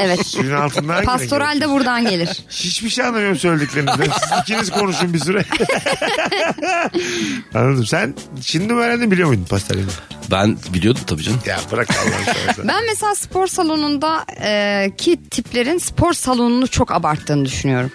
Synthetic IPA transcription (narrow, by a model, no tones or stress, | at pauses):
evɛt̪ynalˠt̪ʰɯnd̪anpʰast̪o̞ɾalʲd̪ɛbuɾd̪anɟelʲiɾ̥ | hiʃbiʃejanːamjoɾumsølʲed̪iklʲe̞ɾimizd̪ɛsizicʰinizkʰo̞nuʃumbisyɾɛ | a̰nːad̪ɯmsæn | ʃinid̪ivæɾænd̪imbilʲijo̞mujd̪umpʰast̪ʰa̰ɾḭnɛbæ̰nbilʲijo̞d̪umt̪ʰabid͡ʒanja̰bɯɾak̪a̰lˠa̰na̰asa̰bænmeselʲaːspʰo̞ɾsalˠo̞nund̪aɯːcʰit̪ʰiplʲe̞ɾinspʰo̞ɾsalˠo̞nunut͡ʃʰo̞kabaɾt̪ʰːɯːnɯd̪yʃynyjo̞ɾum